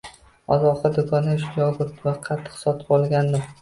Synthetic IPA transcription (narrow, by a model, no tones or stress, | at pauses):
ɒ̰zɒqɑd̪ʊkʰɒnaʃʊɡʲɒɡʊt̪vaqʰɑt̪ʰːɨ̥qsɒt̪ʰɪ̥bɒlˠɡʲand̪ɪm